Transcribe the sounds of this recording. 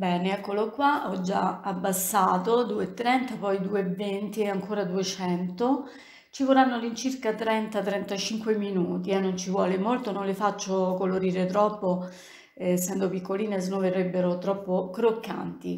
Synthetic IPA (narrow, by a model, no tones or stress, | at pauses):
bɛːneɛkːolokwaʔɔd͡ʒːa̰abːasːaːt̪od̪uːet̪ːɾɛnt̪apɔjd̪uːevːent̪iaŋkoːɾad̪uet͡ʃɛnt̪o | t͡ʃivoranːolint͡ʃirkat̪ɾɛnt̪at̪ɾɛnt̪at͡ʃiŋkweminuːt̪ianːont͡ʃivwɔːlemolt̪ononlefat͡ʃːokoloɾiːɾet̪ɾɔpːo | sːɛnd̪opikːoliːnes̬noverːebːeɾot̪ɾɔpːokɾokːa̰nt̪i